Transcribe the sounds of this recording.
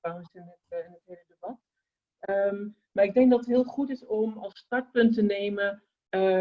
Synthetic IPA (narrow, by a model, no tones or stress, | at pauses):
aŋəsɪnətɪnətɦelədəbɑt | əm | maːɹɪɡ̚dɛŋk̚dɑtətɦɪːlˠχutɪsɔmɑlˠstɑɹt̚pɵntənejmə | ə